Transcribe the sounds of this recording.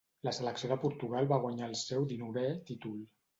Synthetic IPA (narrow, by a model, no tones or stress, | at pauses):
ləsələksioðəpuɾt̪uɣalˠβaɣwaɲaəlˠsɛwd̪inuβet̪it̪ul